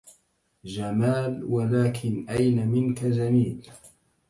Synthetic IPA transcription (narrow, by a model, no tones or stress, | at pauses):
d͡ʒamaːlwalaːkʰɪnʔajnamɪnkad͡ʒamiːl